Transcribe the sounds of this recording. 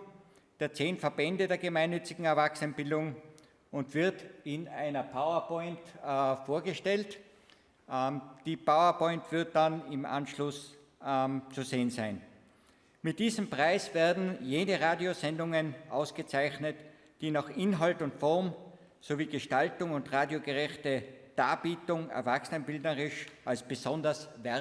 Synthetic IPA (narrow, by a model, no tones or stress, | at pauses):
d̥eːɐt͡seːnfɐbɛndədeːɐɡəmaɪnːʏt͡sɪɡŋ̩ɛɐvaksənb̥ɪldʊŋ | ʔʊntv̥ɪɐtɪnaɪnɐpʰaʊɐpʰɔʏntfoːɐɡəʃtɛlt | d̥iːpʰaʊɐpɔ̃ʏ̃ntv̥ɪɐt̚d̥anɪmʔã̰nʃlʊs | t͡suzeːənzaɪn | mɪt̚d̥iːzəmpʁ̥aɪsvɛːɐdn̩jeːnəʁaːdjozɛndʊŋənʔaʊsɡ̥ət͡saɪçnət | d̥iːnaχʔɪnɦaltʊntfɔɐm | soviːɡəʃtaltʊŋʊntʁaːdjoɡəʁɛçtəd̥aːb̥iːtʊŋɛ̰ɐvaxsənənbɪldnəʁɪʃʔalsb̥əzɔ̃ndɐsvɛ